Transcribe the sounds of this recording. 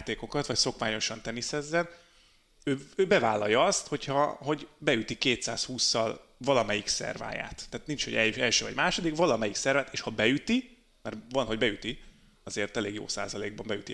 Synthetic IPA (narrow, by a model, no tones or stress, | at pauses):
t̪eːko̞kɒt̪vɒcso̞kmaːɲo̞ʃɒnt̪ɛnisɛzːɛn | øːøːbɛvaːlːɒjɒɒst̪ho̞chɒɦo̞ɟbɛyt̪ikeːt̪sa̰ːshuːsːɒ̰l | vɒlɒmɛjiksɛ̰rva̰ːja̰ːt̪ːaːt̪nint͡ʃho̞ɟɛɛlʃøːvɒ̰ɟmaːʃo̞d̪ikvɒlɒmɛjiksɛrvaːt̪eːʃhɒbɛyt̪i | mɛrvɒnɦo̞ɟbɛyt̪i | ɒzeːrt̪ɛleːɡjo̰ːsa̰ːzɒleːɡ̚bɒmbɛjyt̪i